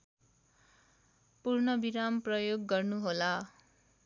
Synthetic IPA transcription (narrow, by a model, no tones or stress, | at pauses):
purnʌbiɾamprʌjoɡːʌrnuɦola